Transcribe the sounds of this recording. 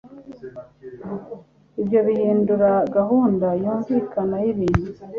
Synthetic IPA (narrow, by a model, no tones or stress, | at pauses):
iβjo̞βihiːnduɾaɡahuːndajuːɱviːkanajiβiːnu